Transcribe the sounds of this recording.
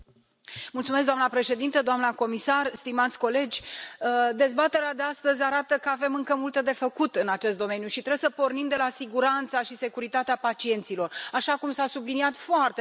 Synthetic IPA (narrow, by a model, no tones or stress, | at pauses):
mult̪sumes̬ɡd̪amnəpɾe̞ʃe̞d̪int̪əd̪oamnəko̞misarst̪imat̪sʲko̞le̞d͡ʒʲəd̪e̞zbat̪e̞ɾead̪e̞ast̪əzʲaɾat̪əkəave̞mɨŋkəmult̪əd̪e̞fəkut̪ɨnat͡ʃe̞st̪d̪o̞me̞njuʃit̪ɾebesəpo̞rnimd̪e̞lasiɡuɾant̪saʃise̞kuɾit̪at̪eapat͡ʃie̞nt̪silo̞raʃakumsasubliniat̪foart̪e